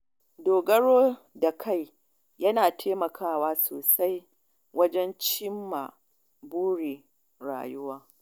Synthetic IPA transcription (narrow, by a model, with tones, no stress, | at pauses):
doː˨ɡɐ˦ɽoː˦ | da˨kʰa˦˨j | jɐ˦naː˨tʰeː˦mɐ˨kʰaː˦˨waː˦soː˨sa˦j | wɐ˦d͡ʒɛ˦nt͡ʃɪ˦mːa˨ | buː˦ɽi˨ | ɾa̰ː˨jʊ˦waː˦